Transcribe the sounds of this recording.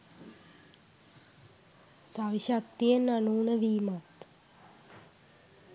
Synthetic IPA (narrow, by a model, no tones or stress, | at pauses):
saʋiʃakt̪ijenanuːnəʋiːmat̪